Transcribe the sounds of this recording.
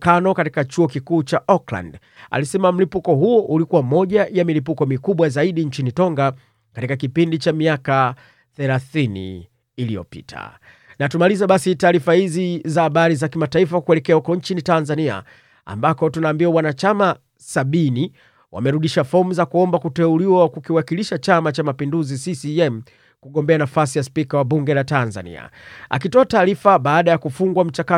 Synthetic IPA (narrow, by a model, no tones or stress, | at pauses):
kanɔkatikat͡ʃuɔkikuːt͡ʃaʔɔkla̰nd | a̰lisɛmam̩lipukɔɦuɔʔulikuwamɔʄajamilipukɔmikuɓwazaiɗiɲt͡ʃinitɔŋɡa | katikakipindit͡ʃamiaka | θɛlaθinḭː | lijɔ̰pḭtʰa̰ | natumalizaɓasitaːɾifahizizahaɓaɾizakimataifakuɛlɛkɛahukɔɲt͡ʃinitanzania̰ | a̰mbakɔtunaːmbiwawanat͡ʃama | saɓini | wa̰mɛɾuɗiʃafɔm̩zakuɔmbakutɛuliwawkukiwakiliʃat͡ʃamat͡ʃamapinduzisisiɛm̩ | kuɠɔmbɛanafasijaspikawaɓuŋɡɛlatanza̰nḭa̰a̰kitɔataːɾifaɓaːɗajakufuŋɡwam̩t͡ʃaka